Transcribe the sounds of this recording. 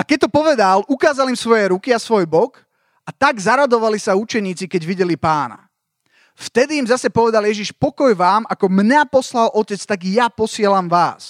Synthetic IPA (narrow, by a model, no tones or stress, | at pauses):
akɛc̚t̪ɔpɔʋɛd̪alʔukaːzalimsʋɔjɛɾukiasʋɔjbɔk | at̪aɡzaɾad̪ɔʋalisaut͡ʃɛɲiːt͡sikɛɟʋiɟɛlipaːna̰ | ft̪ɛd̪iːmzasɛpɔʋɛd̪aljɛʒiʃpɔkɔjʋaːmakɔmɲapɔslalʔɔcɛt͡st̪aɡjapɔsɪɛlamʋaːs